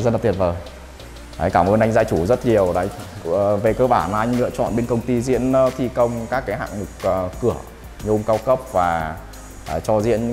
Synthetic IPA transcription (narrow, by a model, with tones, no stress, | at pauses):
zə˧na˨˩t̪ʰi˨˩t̚vəː˨˩j | ʔa̰ː˨˦jkaː˧˩mʔəː˧nʔa˧ŋ̟zaː˧jt͡ɕu˧˩zə˦˥t̚ɲi˨˩əwɗa̰˨˦˨ve˨˩kəː˧ɓaː˧˩n˧jŋ̟lɨ̰˧ət͡ɕɔ̰˧˨nɓe˧nkə˧wŋ͡mt̪i˧zḭ˧˥ən˨˦t̪ʰi˧kə˧wŋ͡mkaː˦˥kːaː˨˦jɦa̰ː˧˨ŋmɨ˨˩k͡p̚ːkɨ˧˩ə | ɲo˧ŋ͡mkaː˧wkə˦˥p̚vaː˨˩ | ʔt͡ɕɔ˧zḭ˧˥ən˧